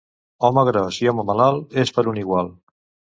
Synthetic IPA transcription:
ɔməɣɾɔsiɔməmalalˠespəɾuniɣwalˠ

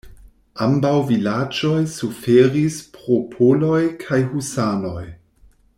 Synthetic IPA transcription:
ambawvilad͡ʒo̞jsufeɾispɾo̞pʰolo̞jkʰajhusano̞j

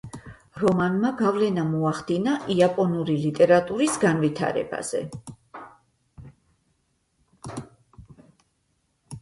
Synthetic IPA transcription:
ɾɔmanmaɡavlɛnamɔaχd̪inaʔiapʼɔnuɾilit̪ʼɛɾat̪ʼuɾisɡanvit̪ʰa̰ɾɛ̰ba̰z̥ɛ̰

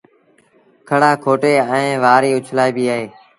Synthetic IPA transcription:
kʰəɽaːkʰoːʈeːɛ̃ːʋaːɾiːʊt͡ʃʰlaːiːbiːaːɦeː

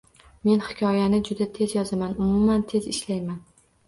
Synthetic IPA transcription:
me̞nhɪkʲʰɒjanɪd͡ʒʊd̪at̪ʰe̞zjɒzamanʊmʊmːant̪ʰe̞zɪʃlajman

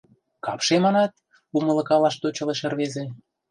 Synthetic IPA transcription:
kɑ̰pʃemɑnɑt̪̚ | umɤ̆lɤ̆kɑlɑʃt̪ot͡ɕɤ̆leʃĕrβezĕ

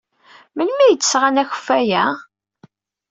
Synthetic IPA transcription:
mənmijət͡sːəsʁanæçə̥fːæjæ

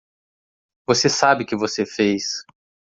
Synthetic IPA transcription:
vosesabɪkɪvosefejs

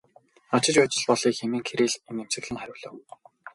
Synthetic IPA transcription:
ɔt͡ɕɪ̆t͡ɕpæːt͡ɕɪ̆ɮpɔɮiːkxemiːŋkʰeɾiːɮenem̥sɘ̆ɣɮɘ̆ŋχæɾʲʊːɮə̆ːw

